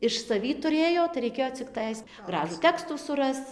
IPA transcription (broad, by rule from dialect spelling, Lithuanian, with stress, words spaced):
ɪʃ sɐˈʋʲiː tʊˈrʲeːjoː tɐɪ rʲɛɪˈkʲeːjoː t͡sʲɪkˈtɐɪs ˈɡrɑːʒuː ˈtʲæːkstuː sʊˈrɐst͡s